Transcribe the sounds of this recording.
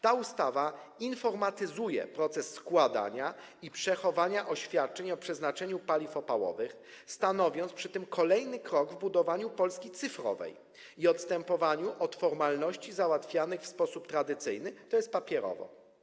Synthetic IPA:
t̪aust̪ava | infɔɾmat̪ɘzujɛ̰pɾɔt̪sɛsːkwad̪a̰ɲa | ipʂɛxɔvaɲaʔɔɕfʲjat̪̚t͡ʂɛɲɔpʂɛznat͡ʂɛɲupalʲifɔpawɔ̰vɘx | st̪anɔvʲjɔnt̪spʂɘt̪ɘmkʰɔlɛjnɘkɾɔɡvbud̪ɔvaɲupɔlskʲit̪sɘfɾɔ̰vɛ̰j | iɔt̪st̪ɛmpɔvaɲuʔɔt̪fɔɾmalnɔɕt͡ɕizawat̪fʲjanɘxfspɔsupt̪ɾad̪ɘt̪sɘjnɘt̪ɔjɛst̪̚papʲjɛɾɔ̰vɔ̰

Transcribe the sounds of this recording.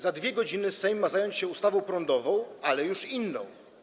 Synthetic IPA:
zad̪vʲjɛɡɔd͡ʑinɘsɛjmːazajɔɲt͡ɕɕɛust̪avɔ̃w̃pɾɔnd̪ɔvɔ̃w̃alɛjuʂinːɔ̰̃w̃

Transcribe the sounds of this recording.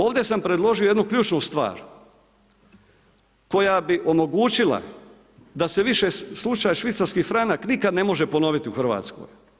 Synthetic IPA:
o̞ːʋd̪e̞sampɾe̞d̪lˠo̞ʒioje̞d̪nukʎʲuːt͡ʃnust̪ʋa̰ːɾ | ko̞jabiʔo̞mo̞ɡuːt͡ʃila̰ | d̪ase̞ʋiʃeslˠut͡ʃajaʃʋit̪saɾskifɾanaknikad̪ne̞mo̞ʒepo̞no̞ʋit̪iuxr̩ʋa̰t̪sko̰j

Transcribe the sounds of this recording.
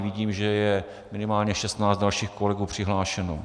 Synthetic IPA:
vɪɟiːmʒɛjɛ | mɪnɪmaːlɲɛʃɛst̪naːt͡st̪dalʃiːxkolɛɡuːpr̝̥ɪɦlaːʃɛno

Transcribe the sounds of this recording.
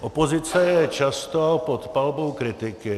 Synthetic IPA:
ʔɔpozɪt͡sɛjɛt͡ʃast̪opɔt̪palbowkɾɪt̪ɪkɪ

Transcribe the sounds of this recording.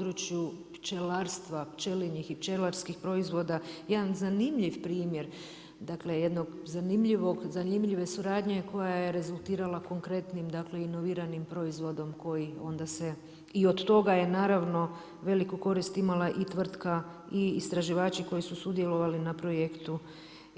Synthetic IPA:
od̪ɾut͡ʃjupt͡ʃelaːɾst̪ʋapt͡ʃe̞liɲixipt͡ʃe̞laɾskixpɾo̞izʋo̞d̪ajed̪anzanimʎiʋpɾiːmje̞ɾ | d̪akle̞je̞d̪no̞ɡzanimʎiʋo̞ɡzanimʎiʋe̞suɾaːd̪ɲe̞ko̞jaje̞ɾe̞zulˠt̪iːɾalˠako̞ŋkɾe̞t̪nimd̪akle̞ino̞ʋiːɾanimpɾo̞izʋo̞d̪o̞mko̞jio̞̰nd̪ase̞ | io̞d̪t̪o̞ɡaje̞naːɾaʋno̞ | ʋe̞likuko̞ɾist̪imalaʔit̪ʋr̩t̪ka | iːst̪ɾaʒiʋaːt͡ʃiko̞jisusud̪je̞lo̞ʋalinapɾo̞jekt̪u

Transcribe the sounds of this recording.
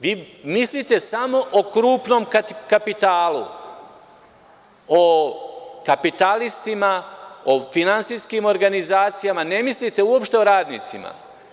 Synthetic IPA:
ʋiːmislit̪e̞samo̞ʔokɾuːpno̞mkkapit̪aːlṵ | o | kapit̪alist̪imaofinantsiːskiːmo̞ɾɡanizaːt̪sijamane̞mislit̪e̞uo̞pʃt̪e̞oɾaːd̪nḭːt̪sima̰

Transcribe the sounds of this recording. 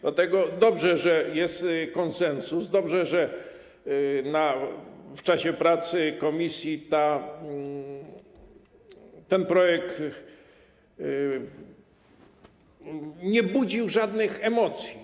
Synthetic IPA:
d̪lat̪ɛɡɔd̪ɔbʐɛʐɛjɛst̪kɔnsɛnsusd̪ɔbʐɛʐɛ | naft͡ʂaɕɛpɾat̪sɘkɔmʲisʲjit̪a | t̪ɛnpɾɔjɛk̚t̪ | ɲɛbud͡ʑiwʐad̪nɘxɛmɔt̪sʲji

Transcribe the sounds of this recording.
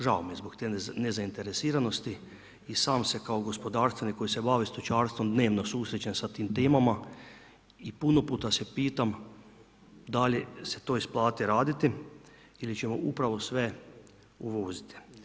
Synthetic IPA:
ʒaomjezbokt̪enezaint̪e̞ɾesiːɾano̞st̪i | isaːmsekaoɡo̞spod̪aːɾst̪ʋeniko̞jise̞baːʋest̪ot͡ʃaːɾst̪ʋo̞md̪ne̞ːʋno̞suːsɾet͡ɕe̞nsat̪iːmt̪eːmama | ipunopuːt̪asepiːt̪am | d̪aljese̞̥t̪o̞ːisplˠaːt̪iɾaːd̪it̪i | ilit͡ɕe̞moʔupɾaʋo̞sʋe̞ | uʋoːzit̪i̥

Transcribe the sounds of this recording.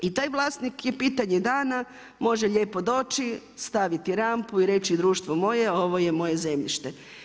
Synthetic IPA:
it̪aːjʋlˠaːsnikjepiːt̪aɲed̪aːna | mo̞ʒeʎe̞ːpo̞d̪o̞ːt͡ʃist̪aʋit̪iɾampuiɾe̞t͡ʃid̪ɾuːʃt̪ʋomo̞je̞o̞ʋo̞je̞mo̞je̞ze̞mʎḭʃt̪e̞

